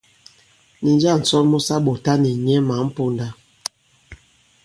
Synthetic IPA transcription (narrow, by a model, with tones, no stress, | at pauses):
ni˨nd͡ʒa˦˨n̩˨sɔ˦lmu˦sa˦ɓo˨ta˦ni˨ɲɛ˦ma˨˦m̩˦po˦nda˦